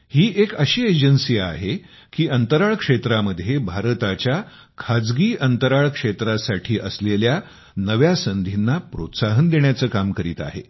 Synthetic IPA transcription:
hiːʔekəɕiːed͡ʑənsiːa̰ɦe | kiːənt̪əɾaɭkʂet̪ɾaməd̪ʱːjebʱaɾt̪at͡ɕja | kʰad͡zɡiːʔənt̪əɾaɭkʂet̪ɾasaʈʰiːʔəslelja | nəʋjasənd̪ʱinːapɾo̰t̪saɦənd̪eɳ̃jat͡səːkamkəɾḭːt̪a̰ɦḛ

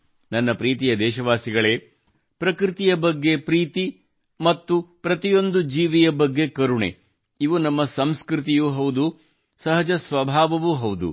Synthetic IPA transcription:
nɐnːɐpɾiːt̪̬ijɐd̪ɛːʃɐʋaːsiɡɐɭeː | pɾɐkɾit̪ijɐbɐɡːe̞pɾiːt̪i | mɐt̪ːupɾɐt̪ijo̞nd̪ud͡ʒiːʋijɐbɐɡːe̞kɐɾuɳḛ | iʋunɐmːɐsɐmskɾit̪̬ijuɦɐʋwd̪u | sɐɦɐd͡ʒɐsʋɐbʱaːʋɐʋuɦɐwd̪ṵ

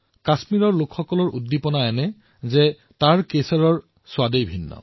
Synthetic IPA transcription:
kasmiɹɔɹlʊkʰxɔkɔlɔɹʔudːipɔnaɛnɛ | zɛ | taɹkesɔɹɔɹ | swadejbʱinːɔ̰

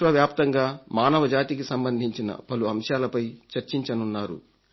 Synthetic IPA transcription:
ʋɐʋjaːpt̪ɐŋɡaːmaːnɐʋɐd͡ʒaːt̪ikisɐmbɐnd̪ʱiɲt͡ʃinɐ̰pɐluɐmʃjaːlɐpɐjt͡ʃɐɾt͡ʃiɲt͡ʃɐnunːaːɾṵ

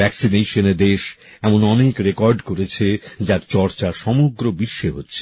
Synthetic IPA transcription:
ɛksineʃoneɾd̪eʃɛmonɔnekɾekɔɾɖkoɾet͡ɕʰed͡ʑaɾt͡ɕɔɾt͡ɕaʃɔmoɡɾobiʃːeɦotːɕʰe̥

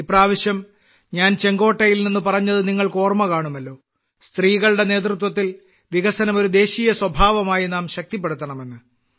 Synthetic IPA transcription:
ipːraːʋɐɕjɐm | ɲaːnt͡ɕe̞ŋɡo̞ːʈːɐjilninːupɐrɐɲːɐðɨniŋːɐɭko̞ːrmɐkaːɳumɐlːo̞ː | st̪riːɣɐɭɨɽe̞ne̞ːt̪̬rut̪̬wɐt̪ːil | ʋiɣɐsɐnɐmo̞ɾud̪e̞ːɕiːjɐswɐbʱaːʋɐmaːjinaːmɕɐk̚t̪ipːeɽut̪ːɐɳɐme̞nːɨ

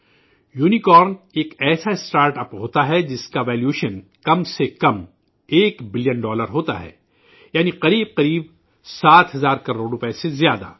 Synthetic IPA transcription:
juːnikɔːɾneːkɛːsaɪsʈaːɾʈɐpɦoːt̪aɦɛd͡ʒɪskaʋɛːljuːʃən | kɐmsekɐm | eːkbɪlijənɖɔːləɾɦoːt̪a̰ɦɛ̰ː | jaːniqɐɾiːb̚qɐɾiːb̚ | saːt̪ɦɐzaːɾkɐɾoːɽɾʊpesezjaːd̪a̰ː

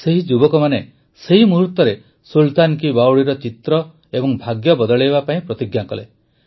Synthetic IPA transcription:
seɦid͡ʒubɔkɔmane | seɦimuɦut̪ɔɾe | sult̪ankibawɽiɾɔt͡ʃit̪ɾɔ | ebɔŋbʱaɡjɔbɔd̪ɔɭebapaĩpɾɔt̪iɡjakɔle

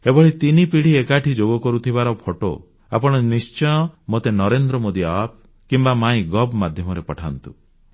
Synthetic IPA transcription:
ebɔɭit̪inipiɽ̤iekaʈʰid͡ʒoɡɔkɔɾut̪ʰibaɾɔpʰoʈo̰ | a̰pɔɽ̃ɔnist͡ʃɔj̃ɔmot̪enɔɾend̪ɾɔmod̪iap̚ | kimbamaĩɡɔbmad̪ʱjɔmɔɾepɔʈʰant̪ṵ

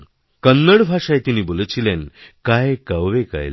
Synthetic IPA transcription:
kənːəɽbʱaʂajt̪iniːbolt͡ɕilenkajkəwʋeka̰jl

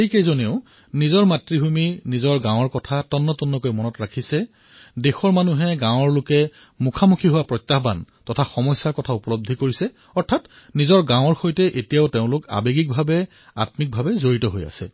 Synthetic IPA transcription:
ejkejzoniʊ | nizɔɹmatɹiɦuminizɔɹɡãw̃ɔɹkɔtʰatɔnːɔtunːɔkojmɔnɔtɹakʰisɛ | dexɔɹmanuɦɛɡãw̃ɔɹlʊkɛ | mukʰamukʰiɦʊwapɹɔjtːaɦbantɔtʰaxɔmɔjsːaɹkɔtʰaupɔlob̚d̪ʱikoɹisɛ | ɔɹtʰat | nizɔɹɡãw̃ɔɹxojtɛʔetijaʊteʊ̃lʊka̰beɡik̚bʱabɛ | a̰tmik̚bʱabɛzoɹitɔɦoja̰sɛ̰

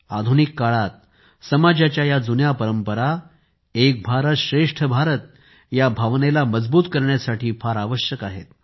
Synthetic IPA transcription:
ad̪ʱunikːaɭat̪̚ | səmad͡ʑat͡ɕjajad͡zunjapəɾəmpəɾa | ek̚bʱaɾət̪ɕɾeʂʈʰəbʱaɾət̪̚ | jabʱaʋnelaməd͡zbuːt̪kəɾɳjasaʈʰiːfaɾaʋəɕjəkaɦḛt̪̚

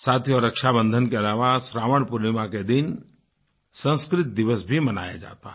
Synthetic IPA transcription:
saːt̪ʰjɔɾɐkʃabə̃nd̪ʱənkeɐlaːʋasɾaːʋəɽ̃pʊɾɪmãked̪ɪn | sə̃nskɾɪt̪̚d̪ɪʋəsbʱimɐna̰ːja̰d͡ʒa̰ːt̪a̰ɦɛ

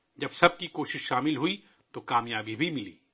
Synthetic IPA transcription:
d͡ʒɐbsɐb̚kikoːʃɪʃʃaːmɪlɦui | t̪okaːmjaːbibʱimɪlḭː

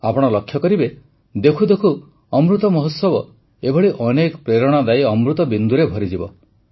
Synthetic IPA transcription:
apɔɽ̃ɔlɔkʰːjɔkɔɾibe | d̪ekʰud̪ekʰu | ɔmɾut̪ɔmɔɦut̪sɔbɔ | ebʱɔɭiʔɔnekɔpɾeɾɔɽ̃ɔd̪ajɔmɾut̪ɔbind̪uɾebʱɔɾid͡ʒibɔ

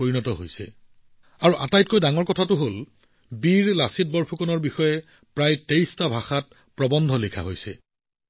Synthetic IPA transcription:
oɹinɔtɔɦojsɛ̰ | aɹuʔatajt̚kojdaŋɔɹkɔtʰatʊɦol | biɹlasit̚bɔɹpʰukɔnɔɹbixɔjɛ | pɹajtejstabʱaxat̚ | pɹɔbɔndʱɔlikʰa̰ɦojsɛ̰

